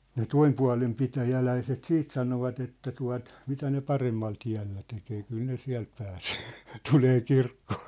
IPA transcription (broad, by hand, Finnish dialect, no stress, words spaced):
ne toimpuɑ̝lem pitæjælæiset siːt sɑnoʋɑt etːæ tuɑ̝t mitæ ne pɑremːɑl tiæ̝lːæ tekeː kyl ne siæ̝l pæːseː tuleː kirkːoː